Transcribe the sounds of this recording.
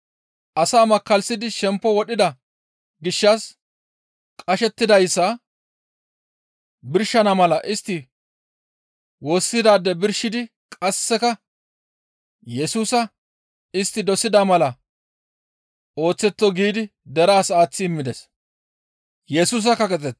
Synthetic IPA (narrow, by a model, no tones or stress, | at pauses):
ʔɐsaːmɐkːɐlsɪd̪ɪʃɛmpːɔwɔɗɪd̪ɐ | ɡɪʃːɐs | kʼɐʃɛt̪ːɪd̪ɐjsːɐ | bɪɾʃɐnɐmɐlɐʔɪst̪ːɪ | woːsːɪd̪aːd̪ːɛbɪɾʃɪd̪ɪ | kʼɐsːɛkɐ | jɛsuːsɐ | ɪst̪ːɪd̪ɔsɪd̪amɐlɐ | o̞ːt͡sːɛt̪ːɔɡiːd̪ɪd̪ɛɾaːsaːt͡sːɪːmːɪd̪ɛs | jɛsuːs̬ɐkːɐkʼɛt͡sʼɛt